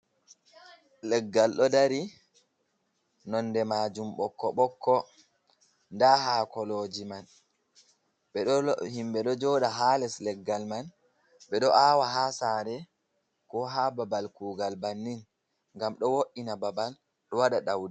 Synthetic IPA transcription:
lɛɡːalɗɔdaɾi | nɔnːdɛmad͡ʒumɓɔkːɔɓɔkːɔ | ndaɦaːkɔlod͡ʒiman | ɓɛɗɔhimɓɛɗɔd͡ʒɔːɗaɦaːlɛslɛɡːalman | ɓɛɗɔʔaːwaɦaːsaːɾɛ | kɔɦababalkuːɡalbanːin | ŋɡamɗɔwoʔinababal | ɗɔwaɗaɗawdi

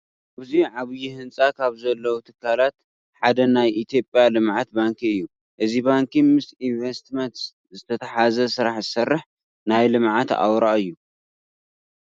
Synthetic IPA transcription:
ʔɨziʕaβɨjihɨnt͡sʼakʰaβzɐlːɐwut̪ʰɨkʰːalat̪ | ħad̪ɐnajʔit̪ʰjo̞pʼjalɨmʕat̪̚baŋkʰiɨjːu | ʔɨzibaŋkʰimɨsinvest̪mɐnt̪ | zɨt̪ʰɐt̪ʰɐħazɐsɨɾaħzɨsɐrːɨħ | najlɨmʕat̪a̰wɾaɨjːu

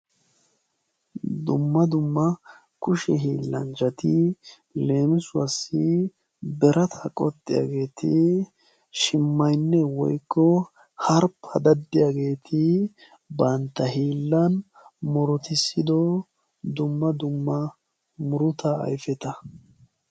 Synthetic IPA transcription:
d̪ʊmːɐd̪ʊmːɐ | kʊʃɛɦiːlːɐ̰nd͡ʒɐt̪ɪ | le̞ːmɪsʊwɐsːɪ | bɛɾɐt̪ʰɐkʼɔ̰t̪ʼːɪja̰ɡe̞ːt̪ɪ | ʃɪmːɐjnːɛwɔ̰jkːɔ | hɐɾpʰːɐd̪ɐd̪ːɪjaɡe̞ːt̪ʰɪ | bɐnt̪ːɐɦiːlːɐn | mɔɾɔt̪ɪsːɪd̪ɔ | d̪ʊmːɐd̪ʊmːɐ | mʊɾʊt̪ɐɐ̰jfɛt̪ɐ

